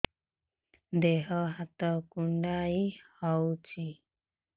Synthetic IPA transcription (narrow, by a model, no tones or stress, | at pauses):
d̪eɦɔɦat̪ɔkuɳɖaihɔwt͡ʃʰi